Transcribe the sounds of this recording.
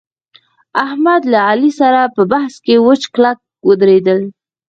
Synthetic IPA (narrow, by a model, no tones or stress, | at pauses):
ahmad̪laalisaɾapəbahskewət͡ʃklak̚ | wəd̪ɾed̪əl